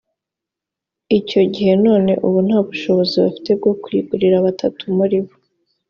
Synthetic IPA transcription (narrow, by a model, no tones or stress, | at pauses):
ico̞ɟihe̞no̞ːne̞̰ʔuβun̥haːβuʃo̞βo̞ziβafi̥te̞b̚ɡo̞kwiːɡuɾiɾaβatʰatumuɾiβo